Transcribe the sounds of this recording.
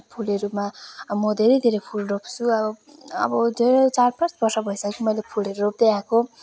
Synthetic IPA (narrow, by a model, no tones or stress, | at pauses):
pʰuleɾumamʌd̪ʱeɾʌjd̪ʱeɾʌjpʰulropt͡sʰuʌbʌʌ̰bʌd̪ʱeɾt͡sarpʰart̪bʌrsʌbʱʌjsʌkkʰimʌjlepʰuleɾurop̚d̪eãko